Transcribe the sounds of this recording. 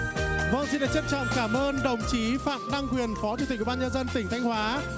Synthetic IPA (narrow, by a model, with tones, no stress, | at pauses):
və̰˧˥nzḭ˧˨ɗa̰ː˧˥˩t͡ɕə˦˥t͡ɕɔ̰˧˨mkaː˧˩mʔəː˧nɗə˨˩wŋ͡mt͡ɕi˨˦fa̰ː˧˨mɗa˧ŋkwi˨˩ənfɔ˨˦t͡ɕu˨˩t̪i˨˩k̚wɓaː˧ɲə˧nzə˧nt̪ï˧˩ŋ̟t̪ʰjŋ̟hwaː˨˦